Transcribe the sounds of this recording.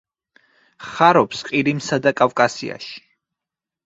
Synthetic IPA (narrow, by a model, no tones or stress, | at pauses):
χaɾɔpsqʼiɾimsad̪akʼafkʼasḭa̰ʃi̥